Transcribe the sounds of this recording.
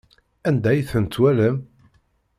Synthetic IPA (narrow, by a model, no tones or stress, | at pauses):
ænd̪æjθənt͡s̪ːwæləm